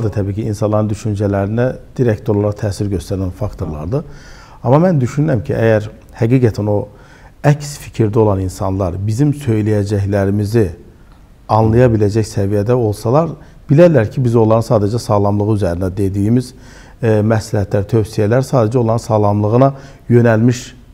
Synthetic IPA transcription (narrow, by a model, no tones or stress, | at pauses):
d̪ɯt̪ʰæbiːcʰiːnsɑnlˠɑɾɯnd̪yʃynd͡ʒælæɾinæd̪̥iɾæct̪olˠɑɾɑt̪ʰæːsiɾɟø̞st̪ʰæɾlænfɑkt̪ʰo̞ɾlˠɑ̰ɾd̪ɯ | ɑmɑmænd̪yʃynyɾæmcʰiʔæjæɾ | hæɡiːɡæt̪ʰæno̞ | æcsfi̥cʰiɾd̪æo̞lˠɑninsɑnlˠɑɾbizimsø̞jlæjæd͡ʒæçlæɾimizi | ɑnlˠɑjɑbilæd͡ʒæçsævijæd̪æo̞lˠsɑlˠɑɾ | b̥ilæɾlæɾcʰibizo̞lˠɑɾɯnsɑːd̪æd͡ʒæsɑːlˠɑmlˠɯʁɯyzæɾinæd̪e̞d̪iːmiz | mæslæhæt̪ʰlæɾt̪ʰø̞wsijælæɾsɑːd̪æd͡ʒo̞lˠɑɾɯnsɑːlˠɑmlˠɯɣɯnɑ | jø̞nælmiʃ